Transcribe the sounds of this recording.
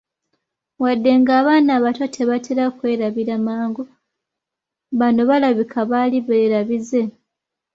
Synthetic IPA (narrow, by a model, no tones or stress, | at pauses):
wadːe̞ŋɡaːβaːnaːβatotʰe̞βatʰeɾakwe̞ːɾaβiɾamaːŋɡo | βano̞βalaβikʰaβaliβeːɾaβize̞